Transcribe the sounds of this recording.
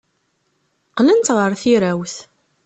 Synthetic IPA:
qlənt̪ʁəɾθiɾæwθ

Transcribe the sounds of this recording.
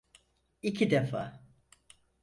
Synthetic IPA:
icʰid̪efa̰ː

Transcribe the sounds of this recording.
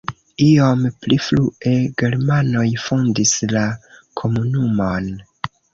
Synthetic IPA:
io̞mplifluʔe̞ɡe̞ɾmano̞jfondislakʰo̞munumon

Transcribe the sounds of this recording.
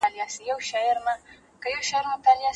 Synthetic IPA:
alɪjasijawʃajɐɾma | kajawʃajɛɾmatalɪja

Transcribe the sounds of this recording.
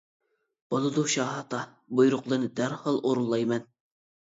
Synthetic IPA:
b̥olˠɨd̪uʃɑːɦɑt̪ɑ | bujɾʊqlˠɨnɨd̪æɾhɑlˠoɾulˠːɑjmɛn

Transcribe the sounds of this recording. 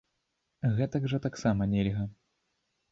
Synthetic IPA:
ɣɛt̪ɐɡʐɐt̪aksamɐnʲɛlʲɣɐ

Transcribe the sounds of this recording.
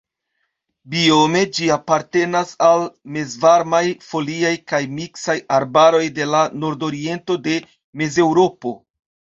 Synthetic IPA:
bio̞me̞d͡ʒiapaɾte̞nasalme̞zvaɾmajfo̞liajkajmiksajaɾbaɾo̞jde̞lanoɾdo̞ɾie̞nto̞de̞ | me̞ze̞wɾo̞po̞

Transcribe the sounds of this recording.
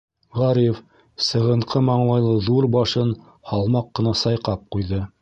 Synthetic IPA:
ʁɑɾʲijf | sɤ̆ʁɤ̆ɴqʰɤmɑɴlˠɑjlˠɤðuɾbɑʃɤn | hɑlˠmɑqːɤ̆nɑsɑjqɑp̚qujðɤ

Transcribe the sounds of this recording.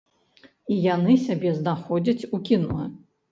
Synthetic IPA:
ijanɨsʲabʲɛznaxɔd͡zʲɐt͡sʲukʲinṵlˠɐ

